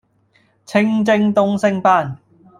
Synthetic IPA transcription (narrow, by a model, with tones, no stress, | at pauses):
t͡sʰɪ˧˥ŋt͡sɪ˧ŋt̪ʊ˥ŋsɪ˥ŋpaː˥˩n